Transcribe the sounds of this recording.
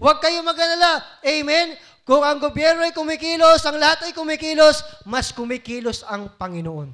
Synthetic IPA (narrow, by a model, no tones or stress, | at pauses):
wɐɡ̚kɐjomɐɡɐlɐlaʔɛjmɛn | kʊŋɐŋɡobjɛɾnoɐjkʊmɪkiːlosʔɐŋlɐhat̪ɐjkʊmɪkiːlosmɐskʊmɪkiːlosɐŋpɐŋɪnoʔo̞n